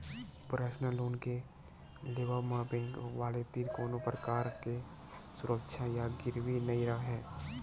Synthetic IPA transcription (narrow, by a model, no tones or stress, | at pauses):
pɾaːʃnaloːnke | leːʋamãːpẽːɡʋaːlet̪iɾkoːnõpɾəkaːɾke | sʊɾəkʃʰajaɡɪɾwinəiɾəkɦɛ̃ː